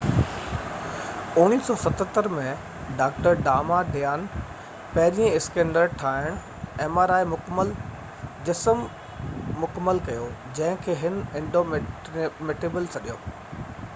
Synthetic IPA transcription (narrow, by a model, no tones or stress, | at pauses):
ʊniːsɔːsɐt̪ʰət̪əɾmɛ̃ | ɖaːk̚ʈəɾɖaːmaɖejaːn | pɐɦɪɾiə̃ɪskẽːɳɖəɾʈʰaːɪɽ̃ʊ | eːmaːɾaːɪmʊkəməl | d͡ʑɪsəmː | ʊkəmːəlkɐjo | d͡ʑɐ̃ɦɪ̃kʰeːɦɪnɪ̃ɳɖom | mɪʈeːbəlsʰɐɗijoː